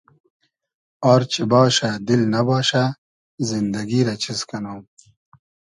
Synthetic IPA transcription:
aːɾt͡ɕibɑːʃad̪ilnɐbɑːʃa | zind̪ɐɡiɾat͡ɕʰiskɐnoːm

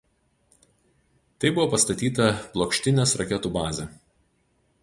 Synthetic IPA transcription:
t̪ɐɪbʊʋoːpɐst̪ɐt̪ʲiːt̪ɐplˠɔːkʃʲt̪ʲɪnʲeːsɾɐkʲɛt̪uːbɑːzʲɛ

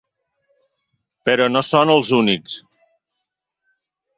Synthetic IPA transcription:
pəɾɔnosonəlˠzuniks

